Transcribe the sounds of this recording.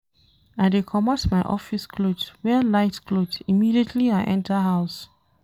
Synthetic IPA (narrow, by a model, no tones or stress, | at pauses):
aɪdekʰɔmatmaɪʔɔ̰fiskʰlodwɛlaɪtkʰlodimidietʰliaɪʔɛ̃ntʰəɦaʊs